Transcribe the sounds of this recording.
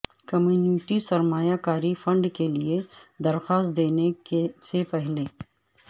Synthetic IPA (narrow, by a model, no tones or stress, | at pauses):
kɐmjuːniʈisɐɾmaːjakaːɾifɐ̃ɳɖkelied̪ɐɾxaːst̪̚d̪eːnekesepɛɦleː